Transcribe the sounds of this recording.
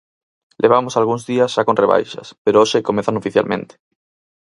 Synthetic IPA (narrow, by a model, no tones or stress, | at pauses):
lʔeβ̞amosalɣ̞uŋzðiɐsʃakõnreβ̞a̰jʃɐ̰speɾooʃekomeθanofiθja̰lmḛ̃nt̪e̥